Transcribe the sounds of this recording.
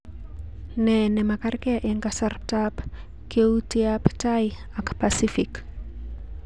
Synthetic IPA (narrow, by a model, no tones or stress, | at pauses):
nenɛmakarkeaʔeŋkasarp̚tap | keutiaptaj | akpasifik